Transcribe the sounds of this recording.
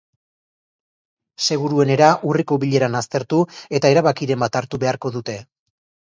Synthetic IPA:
se̞ɣ̞uɾue̞ne̞ɾaʔuriko̞βiʎe̞ɾanast̪e̞ɾt̪ue̞t̪ae̞ɾaβakiɾe̞mbat̪aɾt̪uβe̞aɾko̞ðut̪e̞

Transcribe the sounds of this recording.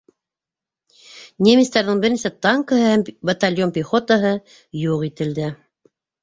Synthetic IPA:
nʲemʲist̪æɾðɤɴbɘ̆ɾnisæt̪ɑŋkəhɤhæmbɐt̪alʲjompʲɪχot̪ɑɦɤ | juʁit̪ɘ̆ld̪ɘ

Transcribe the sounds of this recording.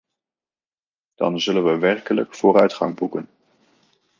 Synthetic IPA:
d̥ɑ̰nzɵlənʋəʋɛrkələkfʊːrœɥtχɑ̰ŋbukən

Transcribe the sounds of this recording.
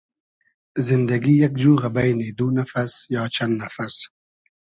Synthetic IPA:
zɪnd̪aɡijak̚d͡ʒuːɣabajnid̪unafasjɑːt͡ʃʰand̪nafas

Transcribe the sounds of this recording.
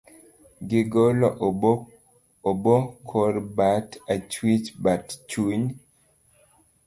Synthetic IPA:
ɡiɡɔlɔʔ | bɔkʰɔɾbatat͡ʃwit͡ʃbatt͡ʃuɲ

